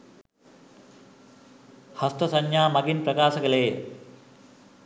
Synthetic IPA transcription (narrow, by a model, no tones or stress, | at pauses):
hɐst̪ɐsɐɲjaːmɐɡinprɐkaːsɐɡɐleː